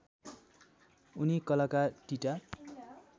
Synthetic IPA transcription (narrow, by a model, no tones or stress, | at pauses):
unikʌlakaʈiʈa